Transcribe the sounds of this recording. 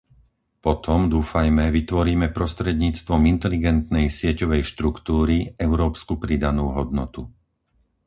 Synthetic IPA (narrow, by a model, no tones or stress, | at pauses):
pɔt̪ɔmd̪uːfajmɛʋit̪ʋɔɾiːmɛpɾɔst̪ɾɛd̪ɲiːt͡st̪ʋɔmint̪ɛliɡɛnt̪nɛjsɪɛcɔʋɛjʃt̪ɾukt̪uːɾiɛʊɾɔːpskupɾid̪anuːɦɔd̪nɔt̪u